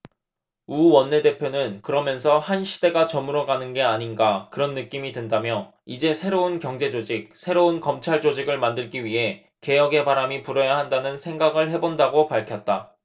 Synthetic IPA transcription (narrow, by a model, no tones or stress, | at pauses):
uwʌnːe̞de̞pʰjonɯnkɯɾʌmjʌns̬ʰʌhanɕʰide̞ɡat͡ɕʌmɯɾʌɡanɯnɡe̞aɲinɡakɯɾʌnːɯk͈imidwendamjʌ | id͡ʑe̞sʰe̞ɾounkjʌŋd͡ʑe̞d͡ʑod͡ʑik̚sʰe̞ɾounkʌmt͡ɕʰaɭd͡ʑod͡ʑiɡɯɭmandɯɭɡiɥiɦe̞ | ke̞jʌɡe̞baɾamipuɾʌjaɦandanɯnsʰe̞ŋɡaɡɯɭhe̞bondaɡopaɭkʰjʌt̚t͈a